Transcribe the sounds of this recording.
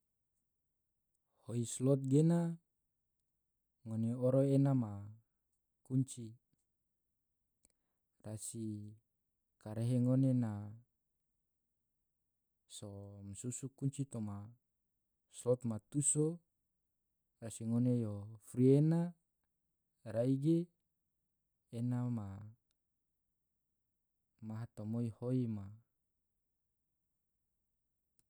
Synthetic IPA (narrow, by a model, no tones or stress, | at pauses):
hoislɔt̪̚ɡena | ŋoneoɾoenama | kuɲt͡ʃi | rasi | kaɾeɦeŋonena | somsusukuɲt͡ʃit̪oma | slot̪mat̪uso | rasiŋonejofɾiena | ɾaiɡe | nama | maɦat̪omoihoima